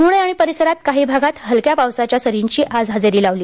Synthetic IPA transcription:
muɽ̃əjaɽ̃ipəɾisəɾat̪̚kaɦiːbʱaɡat̪ɦəlkjapaʋsat͡ɕjasəɾiɲt͡ɕiːʔad͡zɦad͡zeɾiːlaʋliː

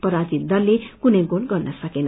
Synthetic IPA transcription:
pʌɾad͡zit̪̚d̪ʌlːekunʌjɡolɡʌrnʌsʌkenʌ

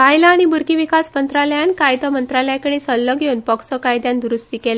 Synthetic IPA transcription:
kajlaːɽ̃ibuɾkiʋikasmənt̪ɾaləjankajd̪ɔmənt̪ɾaləjakəɽ̃isəlːəɡʱeuːnpɔksɔkajd̪jand̪uɾust̪iːkela

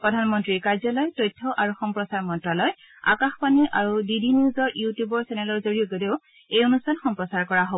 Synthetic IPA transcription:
pɹɔdʱanmɔntɹiɹkaɹzɔlɔjtojtʰːɔʔaɹuxɔmpɹɔsaɹmɔntɹalɔj | a̰kaxpaniʔaɹudidiniuzɔɹjutjubɔɹsɛnɛlɔɹzoɹijoɡodeʊ | ejonustʰanxɔmpɹɔsaɹkɔɹaɦob

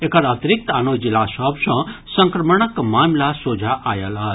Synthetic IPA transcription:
ekaɾat̪ɾik̚t̪anod͡ʒilasɔbsɔ̃sə̃ŋkɾəməɳəkmaːmlasoːd͡ʒʱaʔaːjalaː

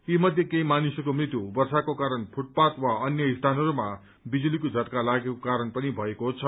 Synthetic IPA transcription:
imʌd̪ʱjekejmanisʌkomrit̪jubʌrsakokaɾʌnpʰuʈ̚pat̪waʌnjʌist̪ʰanʌɾuma | bid͡zulikod͡zʱʌt̪kalaɡekokaɾʌnpʌnibʱʌekot͡sʰʌ

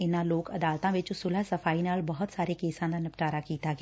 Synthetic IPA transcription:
ɪnãloːkɐd̪aːlt̪ãʋɪt͡ʃʊsʊlasɐfaːinaːlbɐɦʊt̪saːɾekeːsãːd̪anɪpʈaːɾakiːt̪aːɡ

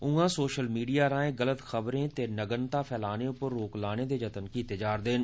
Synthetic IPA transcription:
ʊ̃ːãːsoːʃəlmiːɖijaɾãːẽɡələt̪xəbɾẽːt̪enəɡənt̪apʰɛːlaːneõpəɾːoːklaːned̪ed͡ʒɐt̪ənkit̪ɪd͡ʒaːɾd̪eːn

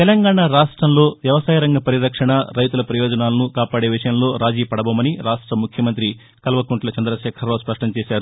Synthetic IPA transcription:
t̪ɛlɐŋɡaːɳaːɾaːʂʈɾɐmlo̞ːʋjɐʋɐsaːjɐɾɐŋɡɐpɐɾiɾɐkʂɐɳɐɾɐjt̪ulɐpɾɐjoːd͡ʒɐnaːlɐnukaːpaːɽe̞ːʋiʂɐjɐmlo̞ːɾaːd͡ʒiːpɐɽɐboːmɐniɾaːʂʈɾɐmukʰjɐmɐnt̪̬ɾi | kɐlʋɐkuɳʈlɐt͡ʃɐnd̪ɾɐʃɛːkʰɐɾoːspɾɐʂɳɐmt͡ʃeːʃaːɾu

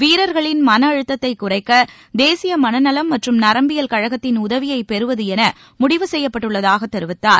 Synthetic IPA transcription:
ʋiːɾɐɾɣɐɭɪnmɐnɐːɻɯt̪ːɐt̪ːɐɪkːʊrɐɪkːɐ | d̪eːsɪjɐmɐnɐnɐlɐmːɐʈrɯmnɐɾɐmbɪjɐlkɐɻɐɣɐt̪ːɪnʊðɐʋɪjɐɪpɛɾɯʋɐðɯɛnɐ | mʊɽɪʋɯsɛjːɐpːɐʈːɯɭːɐðaːɣɐt̪ːɛɾɯʋɪt̪ːaːɾ

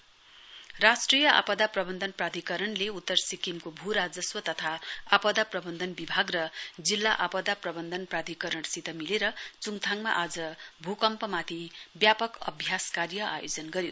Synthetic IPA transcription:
rasʈrijʌʔa̰pʌd̪aprʌbʌnd̪ʱʌnprad̪ʱikʌɾʌnleut̪ːʌrsikimkobʱuɾad͡zʌswʌt̪ʌt̪ʰaapʌd̪aprʌbʌnd̪ʱʌnbibʱaɡrʌd͡zilːaʔapʌd̪aprʌbʌnd̪ʱʌnprad̪ʱikʌɾʌɳsit̪ʌmileɾʌt͡suŋt̪ʰaŋma̰ʔad͡zʌbʱukʌmpʌmat̪ʰibjapʌkʌ̰bʱjaskarjʌʔa̰jo̰d͡zʌnɡʌɾjo

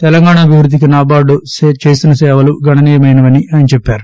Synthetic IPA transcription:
t̪ɛlɐŋɡaːɳaɐbʱiʋɾud̪ʱːik̬inaːbaːɖust͡ʃeːsinɐsɛːʋɐluɡɐɳɐniːjɐmɐjnɐʋɐniʔajnt͡ʃɛpːaːɾu

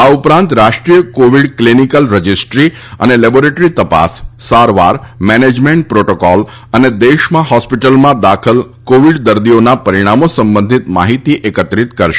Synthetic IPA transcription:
aupɾãnt̪ɾaʃʈɾijəkoʋiɽklinikəlɾəd͡ʒisʈɾi | ə̰nelɛboɾeʈɾit̪əpa̰sːaɾʋa̰ɾmɛned͡ʒmeɳʈ̚pɾoʈokɔl | əned̪eʃmãɦɔspiʈəlmãd̪akʰəl | koʋiɽd̪əɾd̪ionapəɾiɽ̃amosə̃mbə̃nd̪ʱit̪ma̰ɦit̪iʔekət̪ɾit̪kəɾʃe

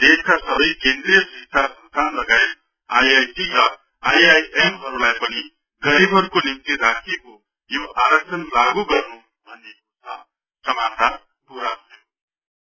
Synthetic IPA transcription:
d̪eskasʌbʌjkend̪ɾijʌsɦisabsʌnst̪ʰanlʌɡaet̪̚ | ajajsiɾʌ | ajajʔemɦʌɾulajpʌni | ɡʌɾibʱʌɾukonimt̪iɾakʰeko | joʔaɾʌk̚sʰʌnlaɡuɡʌrnu | bʱʌnekot͡sʰʌ̰ | sʌmat͡sʰa | puɾatʰʌjo

